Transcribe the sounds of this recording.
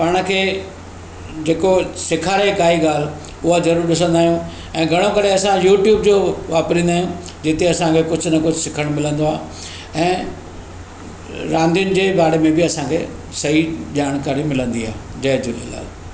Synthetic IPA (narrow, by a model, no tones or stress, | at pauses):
paːɽ̃̆kʰeː | d͡ʑeːkosɪkʰaːɾekaːiɠaːl̤ | ʊɦad͡ʑɐɾuːɾɗɪs̬ə̃nd̪aːɦijũ | ɛ̃ːɡʱɐɽ̃okɐɾeɐsãjuːʈjuːbd͡ʑoːʋaːpɾĩːnd̪aːɦijũ | d͡ʑɪt̪eɐsãkʰekʊd͡ʑʱʊnɐkʊd͡ʑʱsɪkʰəɽ̃mɪlə̃nd̪oaː | ɛ̃ː | ɾãːnd̪ijʊnɪ̆d͡ʑeːbaːɽemẽbɪɐsãkʰḛː | sɐɦid͡ʑaːɽ̃kaːɾimɪlə̃nd̪ia̰ːɦ | d͡ʑɐɦd͡ʑulela̰ːl